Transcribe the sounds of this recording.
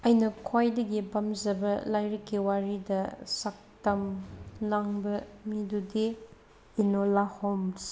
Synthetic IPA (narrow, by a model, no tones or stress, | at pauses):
ɐjnɐkʰwajdɐɡibɐmzɐbɐlajɾɐkːiwaɾidɐsak̚tɐmlaŋbɐmidudiː | nolahoms